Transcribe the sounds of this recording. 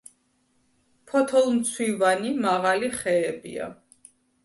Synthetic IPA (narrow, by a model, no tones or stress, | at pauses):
pʰɔt̪ʰɔlˠmt̪sʰwivanimaʁaliχɛːbḭa̰